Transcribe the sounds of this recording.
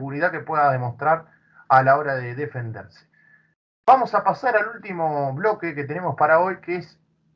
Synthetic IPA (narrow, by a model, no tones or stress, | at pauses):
ɣuɾiðakepweðaðe̞most̪ɾaɾ | alao̞ɾaðe̞ðefe̞nd̪eɾse̥ | bamo̞sapasaɾalult̪imo̞βlo̞keket̪e̞ne̞mo̞spaɾao̞jkees